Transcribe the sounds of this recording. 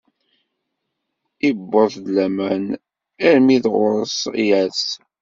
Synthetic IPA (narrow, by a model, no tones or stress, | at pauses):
ibːəθd̪læmæn | æɾmiðʁʊɾəsjæs